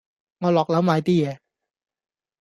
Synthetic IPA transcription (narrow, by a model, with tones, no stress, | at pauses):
ŋɔ˧lɔ˨˩k̚la˨˦˥wmaː˧jt̪i˥˩˨ɛ˨˩